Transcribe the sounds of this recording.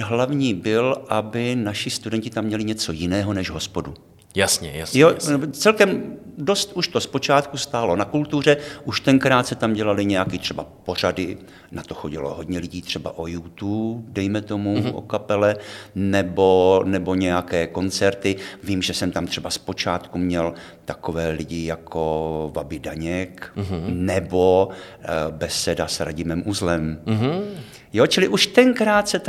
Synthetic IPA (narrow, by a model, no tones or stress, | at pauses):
ɦlavɲiːbɪlʔabɪnaʃɪst̪udɛɲcɪt̪amːɲɛlɪɲɛt͡so̞jɪnɛːɦo̞nɛʒɦo̞spo̞du | jasɲɛ̰jasjot͡sɛlkɛmdo̞st̪uʃt̪o̞spo̞t͡ʃaːt̪kust̪aːlo̞nakult̪ur̝ɛʔuʃt̪ɛŋkɾaːt̪sɛt̪amɟɛlalɪɲɛjakɪt̪r̝̥ɛbapo̞r̝adɪ | nat̪o̞xo̞ɟɪlo̞̰ɦo̞dɲɛlɪɟiːt̪r̥ɛba̰ʔojut̪uːdɛjmɛt̪o̞muʔo̞̰kapɛlɛnɛbonɛbo̞ɲɛjakɛːko̞nt͡sɛɾt̪ɪviːmʒɛsɛmt̪amt̪r̥ɛbaspo̞t͡ʃaːt̪kumɲɛl | t̪ako̞vɛːlɪɟɪjakʰo̞vabɪdaɲɛknɛbo̞ | bɛsːɛdasɾa̰ɟɪmɛmʔuzlɛm | jot͡ʃɪlɪʔuʃt̪ɛŋkɾaːt̪sɛt̪